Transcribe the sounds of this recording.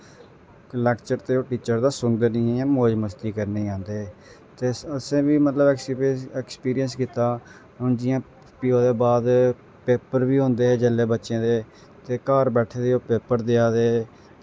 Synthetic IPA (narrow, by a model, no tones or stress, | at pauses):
lɛːkt͡ʃəɾt̪eːoːʈiːt͡ʃəɾd̪aːsʊŋɡd̪əniːẽːãːmoːd͡ʒməst̪iːkəɾneːãːnd̪eː | t̪eːəsẽːbiːmət̪ləbkɛkspiːɾijənskɪt̪ːaː | ʊnd͡ʒɪjãː | pɪoːd̪eːbaːd̪ | peːpəɾʋiːɦõːnd̪eːɦɛːd͡ʒəlːeːbətːʃẽːd̪eː | t̪eːkaːɾbɛːʈʰeːd̪eːoːpeːpəɾd̪ɪaːd̪eː